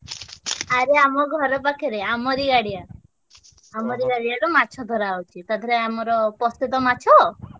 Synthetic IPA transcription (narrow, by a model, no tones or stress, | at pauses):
aɾeamɔɡʱɔɾɔpakʰeɾeamɔɾiɡaɽija | amɔɾiɡaɽijalumat͡ʃʰɔd̪ʱɔɾaːwt͡ʃʰit̪ad̪ʱɔɾeamɔɾɔpɔst̪ut̪ɔmat͡ʃʰɔ